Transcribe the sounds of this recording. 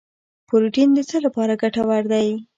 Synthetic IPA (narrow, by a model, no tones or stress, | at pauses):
poɾʊʈind̪ət͡səlapɑɾaɡaʈawaɾd̪aj